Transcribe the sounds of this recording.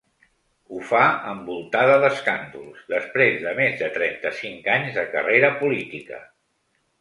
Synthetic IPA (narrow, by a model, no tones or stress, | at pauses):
ufaəmbulˠt̪aðəðəskand̪ulˠzd̪əspɾezðəmezðət̪ɾɛnt̪əsiŋkaɲzðəkə̰reɾəpulit̪ikə̰